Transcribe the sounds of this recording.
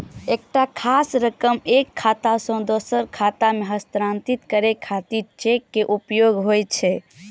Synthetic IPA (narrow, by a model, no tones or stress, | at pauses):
ek̚ʈakʰasɾəkəmekʰːat̪asə̃d̪osəɾkʰat̪ameɦəst̪ɾant̪it̪kəɾekʰːat̪iɾt͡ʃekːeʔupjoɡɦojt͡ʃʰɛ